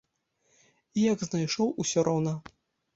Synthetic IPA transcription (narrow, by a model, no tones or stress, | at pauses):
ijɐɡznajʂɔwusʲɔɾɔwnɐ